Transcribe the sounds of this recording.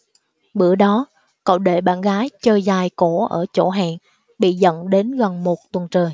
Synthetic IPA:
ɓɨ˧˩˦əɗɔ˨˦ | kə̰˧˨wɗe˧˩ɓaː˧˩nɣaː˨˦jt͡ɕəː˧˩jzaː˨˩jko˧˩ʔəː˧˩t͡ɕo̰˧˩ɦa̰ː˧˨nŋ | ɓḭ˧˨zə̰˧˨nɗe˨˦nɣə˨˩nmo˨˩t̚t̪wə˨˩nt͡ɕəː˨˩j

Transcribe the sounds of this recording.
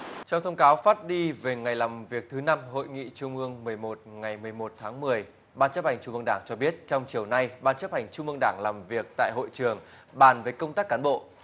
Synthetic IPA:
t͡ɕɔ˧wŋ͡mt̪ʰə˧wŋ͡mkaː˨˦wfaː˦˥t̚ɗi˧ve˨˩ŋa˨˩jlaː˨˩mvi˨˩ək̚t̪ʰɨ˨˦na˧mɦo̰˧˨jŋḭ˧˨t͡ɕʊ˧ŋ͡mʔɨ˧əŋmɨ˨˩əjmo˨˩t̚ŋa˨˩jmɨ˨˩əjmo˨˩t̚t̪ʰaː˨˦ŋmɨ˨˩əj | ɓaː˧nt͡ɕə˦˥p̚ha˨˩jŋ̟t͡ɕʊ˧ŋ͡mɨ˧ə˧ŋɗaː˧˩ŋt͡ɕɔ˧ɓi˦˥ət̚t͡ɕɔ˧wŋ͡mt͡ɕi˨˩əwna˧jɓaː˧nt͡ɕə˦˥p̚ha˨˩jŋ̟t͡ɕʊ˧ŋ͡mʔɨ˧əŋɗaː˧˩ŋlaː˨˩mvi˨˩ək̚t̪a̰ː˧˨jɦo̰˧˨jt͡ɕɨ˨˩əŋ | ɓaː˧˩nve˨˩kə˧wŋ͡mt̪aː˦˥kːaː˨˦nɓo̰˧˨

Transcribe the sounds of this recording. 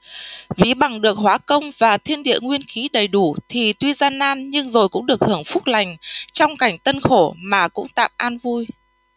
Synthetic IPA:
vi˨˦ɓa˨˩ŋɗɨ˨˩ək̚hwaː˨˦kə˧wŋ͡mvaː˨˩t̪ʰi˧ənɗḭ˧˨əŋwi˧ənxi˨˦ɗə˨˩jɗu˧˩t̪ʰi˨˩t̪wi˧zaː˧nʔaː˧nɲɨ˧ŋzo˨˩jkʊ̰˧˥ŋ͡mɗɨ˨˩ək̚hɨ˧˩əŋfʊ˦˥k͡p̚la˨˩jŋ̟t͡ɕɔ˧wŋ͡mka˧˩jŋ̟t̪ə˧nxo˧˩maː˨˩kʊ̰˧˥ŋ͡mt̪a̰ː˧˨mʔaː˧nvu˧j

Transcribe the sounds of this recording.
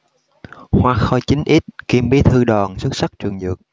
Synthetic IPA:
hwaː˨˩k̚xɔ˧˩jt͡ɕï˨˦ŋ̟ʔi˦˥t̚ki˧mɓi˨˦t̪ʰɨ˧ɗɔ˨˩nsu˦˥t̚sa˦˥k̚t͡ɕɨ˨˩əŋzɨ˨˩ək̚

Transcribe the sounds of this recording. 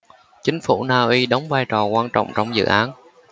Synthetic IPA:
t͡ɕï˨˦ŋ̟fu˧˩naː˧ʔi˧ɗə˨˦wŋ͡mvaː˧jt͡ɕɔ˨˩kwaː˧nt͡ɕɔ̰˧˨wŋ͡mt͡ɕɔ˧wŋ͡mzɨ̰˧˨ʔaː˨˦n

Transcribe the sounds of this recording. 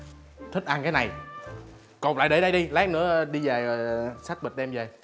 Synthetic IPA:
t̪ʰi̟˦˥ʔa˧ŋkaː˨˦jna˨˩j | ko˨˩la̰ː˧˨ɗe˨˦ɗə˧jɗi˧laː˦˥k̚nɨ̰˧˥əɗi˧zaː˨˩jsa˦˥t̚ɓi˨˩ɗɛ˧mzaː˨˩

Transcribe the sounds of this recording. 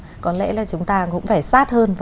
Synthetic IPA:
kɔ˨˦nlɛ̰˧˥laː˨˩t͡ɕʊ˨˦ŋ͡mt̪aː˧kʊ̰˧˥ŋ͡mfaː˧˩jsaː˦˥t̚həː˧nv

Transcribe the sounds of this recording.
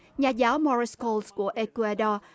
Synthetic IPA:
ɲaː˨˩zaː˨˦wmɔ˧ɹi˧skɔ˧lsku˧˩əʔe˧ku˧a˧ɗɔ˧

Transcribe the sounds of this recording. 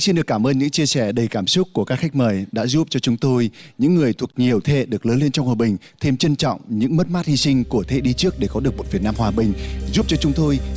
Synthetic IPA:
si˧nɗɨ˨˩əkːaː˧˩mʔəː˧nɲɨ̰˧˥ŋt͡ɕi˧əsɛ˧˩ɗə˨˩jkaː˧˩msʊ˦˥k̚ːu˧˩əkaː˦˥k̚xa˦˥jk̟̚məː˨˩jɗa̰ː˧˥zu˦˥p̚t͡ɕɔ˧t͡ɕʊ˨˦ŋ͡mt̪o˧jɲɨ̰˧˥ŋːɨ˨˩əjt̪ʰu˨˩ə˩k̚ɲi˨˩əwt̪ʰḛ˧˨ɗɨ˨˩ək̚ləː˨˦nle˧nt͡ɕɔ˧wŋ͡mhwaː˨˩ɓï˨˩ŋ̟ | t̪ʰe˧mt͡ɕə˧nt͡ɕɔ̰˧˨wŋ͡mɲɨ̰˧˥ŋmə˦˥t̚maː˦˥t̚hi˧sï˧ŋ̟ku˧˩ət̪ʰḛ˧˥ɗi˧t͡ɕɨ˦˥ək̚ɗe˧˩kɔ˨˦ɗɨ˨˩ək̚mo˨˩tvi˨˩ənaː˧mhwaː˨˩ɓï˨˩ŋ̟zu˦˥p̚t͡ɕɔ˧t͡ɕʊ˨˦ŋ͡mt̪o˧j

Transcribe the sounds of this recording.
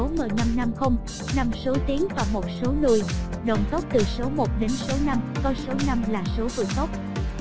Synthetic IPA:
o˨˦məː˨˩jna˧mna˧mxə˧wŋ͡m | na˧mso˨˦t̪i˨˦əŋvaː˨˩mo˨˩t̚so˨˦nɨ˧˩j | ɗə̰˨˩wŋ͡mt̪ə˦˥k͡p̚t̪ɨ˨˩so˨˦mo˨˩t̚ɗe˨˦nso˨˦na˧mkɔ˧jso˨˦na˧mlaː˨˩so˨˦vɨ̰˧˩ət̪ə˦˥wk͡p̚

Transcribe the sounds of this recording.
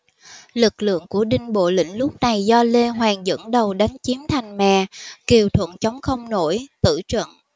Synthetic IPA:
lɨ˨˩k̚lɨ̰˧˨əŋku˧˩əɗï˧ŋ̟ɓo̰˧˨lḭ̈˧˥˨ŋ̟lʊ˦˥p̚na˨˩jzɔ˧le˧ɦwaː˨˩ŋzə̰˧˥nɗə˨˩wɗa˨˦jŋ̟t͡ɕi˨˦mt̪ʰa˨˩jŋ̟mɛ̰˧˨ki˨˩əwt̪ʰwə̰˧˨nt͡ɕə˨˦wŋ͡mxə˧wŋ͡mno˧˩jt̪ɨ̰˧˩t͡ɕwə̰˧˨n

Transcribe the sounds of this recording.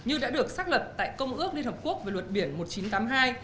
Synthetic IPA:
ɲɨ˧ɗa̰ː˧˥ɗɨ˨˩ək̚saː˦˥lwə˨˩t̚t̪a̰ː˧˨jkə˧wŋ͡mʔɨ˦˥ək̚li˧ənhə˨˩p̚ku˦˥ək̚ve˨˩wə˨˩t̚ɓi˧˩ənmo˨˩t̚t͡ɕi˨˦nt̪aː˨˦mɦaː˧j

